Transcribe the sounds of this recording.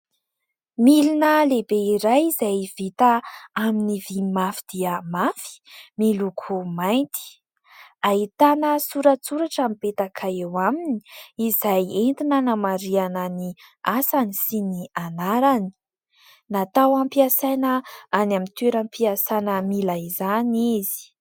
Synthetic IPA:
milinəlebeiɾajizajvit̪aaminivimafid̪̥iəmafi̥milukʰumajnt̪i̥ | aɦit̪anəsuɾət͡suɾaʈ͡ʂamipet̪akʰaewamini̥izajent̪inanamaɾianəniasanisinianaɾani̥ | nat̪awampiasajnəanamint̪weɾampʰiasanəmilajzanizi̥

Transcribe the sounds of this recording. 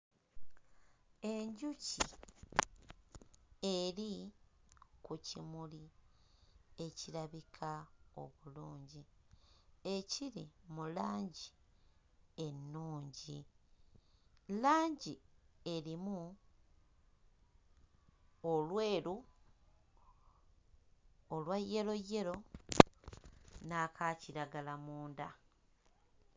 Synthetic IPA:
e̞ɲɟucḭ | e̞ɾi | kucimuli | e̞ciɾaβikʰao̞̰βuluːɲɟi | e̞ciɾimulaːɲɟi | e̞nːuːɲɟi | laːɲɟie̞ɾimu | olwe̞ːɾu | olwajːe̞lo̞je̞ɾo̞ | nakʰaːciɾaɡalamuːnda

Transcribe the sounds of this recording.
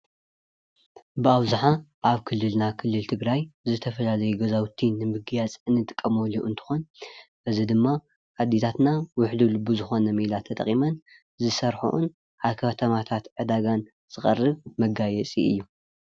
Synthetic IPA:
bɨaβzaħaʔaβkʰɨlːɨlnakʰɨlːɨlt̪ʰɨɡɾajzɨt̪ʰɐfɐlalɐjuɡɐzawt̪ʰinːɨmɨɡɨjat͡sʼɨnːɨt̪ʼɨkʼːɐmoluʔɨnt̪ʰɨ̥xonbɨzid̪ɨmːa | ʔad̪it̪ʰat̪nawʊħlulɨbuzɨxo̞nɐmilat̪ʰɐt̪ʼɐ̰χʼimɐn | zɨsɐɾħṵʔṵn | ʔaβkʰɐt̪ʰɐmat̪ʰat̪ʕɨd̪aɡan | z̥ɨxʼɐ̰rːɨβmɐɡajɛt͡sʼḭʔɨ̰jːu

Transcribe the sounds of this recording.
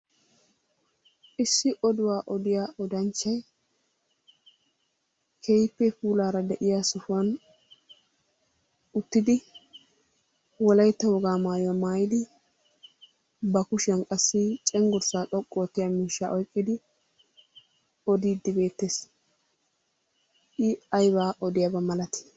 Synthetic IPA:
ʔɪsːɪʔɔd̪ʊwaːʔɔd̪ɪjaːʔɔd̪ɐnt͡ʃːɐj | kʰɛjpːɛfuːlaːɾɐd̪ɛʔɪjaːsʊfʊɐn | ʊt̪ːɪd̪ɪ | wɔlɐjt̪ːɐwɔɡaːmaːjɔmaːjɪd̪ɪ | bɐkʊʃɛnkʼɐsːɪt͡ʃʼɛŋɡʊɾsaːt̪ʼɔkʼːoːt̪ːɪjamiːʃːaʔɔjkʼːɪd̪ɪ | ɔd̪iːd̪ːɪbe̞ːt̪ːeːs | ɪɐjbaːʔɔd̪ɪjabɐmɐlɐt̪ɪ̥

